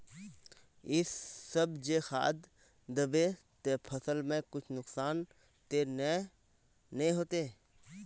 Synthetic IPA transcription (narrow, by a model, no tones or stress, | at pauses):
ɪsːəbd͡ʒexa̰ːd̪ | d̪əbe | t̪epʰəsəlmẽkʊt͡ʃʰnʊksaːn | t̪eː | nẽɦoːt̪eː